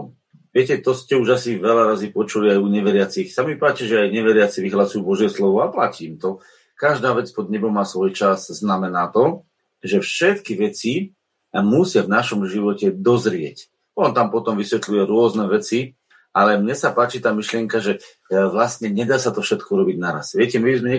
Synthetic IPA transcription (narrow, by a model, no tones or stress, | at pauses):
ʋɪɛcɛt̪ɔscɛuʒasiʋɛlaɾazipɔt͡ʃuliajuɲɛʋɛɾɪat͡sixsamipaːt͡ʃiʒɛajɲɛʋɛɾɪat͡siʋiɦlasujubɔʒɪɛslɔʋɔaplaciːmt̪ɔ | kaʒd̪aːʋɛt͡spɔd̪ɲɛbɔmːaːsʋɔjt͡ʃazznamɛnaːt̪ɔ | ʒɛfʃɛt̪kiʋɛt͡si | musɪavnaʃɔmʒiʋɔcɛd̪ɔzɾɪɛc | ɔnt̪ampɔt̪ɔmʋisʋɛt̪lujɛɾʊɔznɛʋɛt͡si | ʔalɛmɲɛsapaːt͡ʃit̪aːmiʃlɪɛŋkaʒɛ | ʋlast̪ɲɛɲɛd̪aːsat̪ɔfʃɛt̪̚kɔuɾɔbiɟnaɾa̰sʋɪɛcɛmibizmɛɲɛ